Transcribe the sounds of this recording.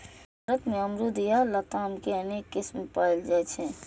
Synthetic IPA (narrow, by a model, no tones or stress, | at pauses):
bʱaɾət̪meəmɾud̪ijalət̪amkeənekːɪsmpaɪld͡ʒajt͡ʃʰɛ